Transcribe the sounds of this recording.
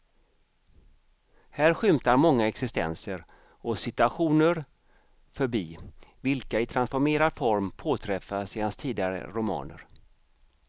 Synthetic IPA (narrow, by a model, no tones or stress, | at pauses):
hæːɾɧʏmt̪aɾmɔŋːaɛksɪst̪ɛ̰nsəɾ | ɔsɪt̪ɵaɧuːnəɾ | fœɾbiːvɪlkaɪt̪ʰɾansfɔɾmeːɾad̪fɔɾmpʰoːt̪ʰɾɛfːaseːh̪anst̪ʰiːd̪ɪɡaɾə̰ɾʊmɑ̰ːnə̰ɾ